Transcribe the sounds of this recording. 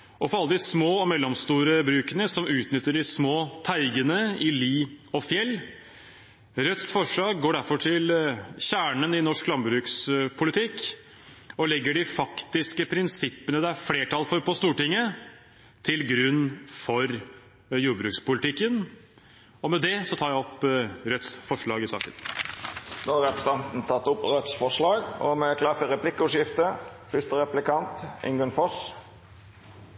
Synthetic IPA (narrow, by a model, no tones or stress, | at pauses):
ɔfɔɾɑlːəd̪ɪsmoːɔmɛlːɔmst̪uːɾəbɾʉːkənəsɔmʉːt̪nʏt̪ːəɖɪsmoːt̪ʰæɪɡənəɪliːɔfjɛlː | ɾœt̪ːsfɔʂɑːɡ̚ɡoːɖæɾfɔʈʰɪlçæːɳənɪnɔʂklɑmbɾʉːkspʰʊlɪt̪ʰɪkː | ɔlɛɡːəɖɪfɑkt̪ɪskəpʰɾɪnsɪpːənəd̪ɛæɾfleːʈʰɑlfɔɾpɔst̪uːʈɪŋːə | t̪ʰɪlɡɾʉnːfɔɾ | juːbɾʉːkspʊlɪt̪ʰɪkːən | ɔmɛd̪ɛsɔt̪ʰɑːɾjæɔpːɾœt̪sfɔʂɭɑːɡɪsɑ̰ːkə̰n | noːɑɾɛpəst̪ɑnt̪n̩t̪ʰɑt̪ːʊpʁœt̪sfɔʂlɑːɡɔ̰mɛkʰlɑfəɾɛpʰlɪkːəʉʂɪft̪əfʏst̪əɾɛplɪkɑnt̪ɪ̰ŋɡʉnfɔs